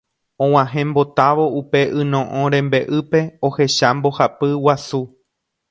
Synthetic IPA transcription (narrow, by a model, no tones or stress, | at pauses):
õw̃ãɦẽ̞mbo̞t̪aʋo̞upe̞ʔɨ̃nõʔõɾẽ̞mbe̞ʔɨpe̞ohe̞ʃambo̞hapɨwasu